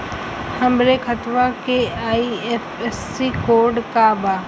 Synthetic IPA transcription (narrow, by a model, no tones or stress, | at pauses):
hɐmɾekʰət̪ʋakeaːiefesːikoːɾɖkabaː